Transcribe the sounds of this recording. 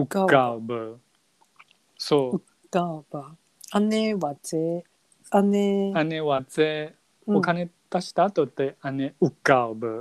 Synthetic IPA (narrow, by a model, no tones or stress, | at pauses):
ɯkabɯ | soː | kab | aneβat͡se | aneaneβat͡se | okaned̪̥aɕi̥t̪aːt̪ot̪ːeaneɯkːaobɯ